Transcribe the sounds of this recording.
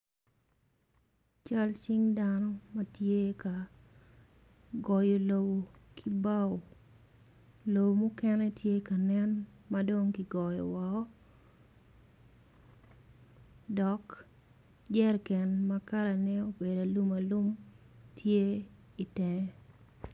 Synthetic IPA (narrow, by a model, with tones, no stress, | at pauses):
t͡ʃa˦lt͡ʃɪ˦ŋdanɔ˦mɐ˦tje˦ka˨ | ɡɔ˨jo˨lo˨bo˨kʰi˦ba˦wo˨ | lo˨bo˨mʊ˦kɛ˦nɛ˦tje˦ka˨nɛ˦n | mado˦ŋki˨ɡɔ˨jɔ̰˨wɔ˨ɔ˦ | dɔ˨k | d͡ʒɛ˦rkɛ˨nmaka˦la˨nɛ˦o˦be˨da˨lu˦ma˨lu˦m | tʰje˦ | i˨tɛ˨ŋɛ